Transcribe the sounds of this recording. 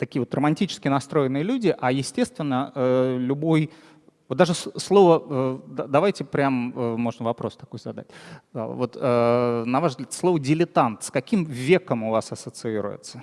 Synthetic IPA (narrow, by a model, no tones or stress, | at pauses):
t̪ɐkʲijəvo̞t̪rəmɐnʲtʲit͡ɕɪ̥skʲɪnɐst̪ɾo̞ɪnːɨjɪlʲudʲɪʔajɪsʲtʲe̞st̪vʲɪnːəəlʲʊbo̞j | vot̪d̪aʐɨsslˠo̞vəəd̪d̪ɐvajtʲɪpɾʲaməmo̞ʐnəvɐpɾo̞st̪ɐ̥ko̞jzɐd̪a̰tʲa̰vo̞t̪ənɐvaʐzɡlʲat̪slˠovədʲɪlʲɪt̪ant̪skɐkʲimvʲe̞kəmʊvasɐsət̪sɨiɾʊ̰jɪ̰t̪sə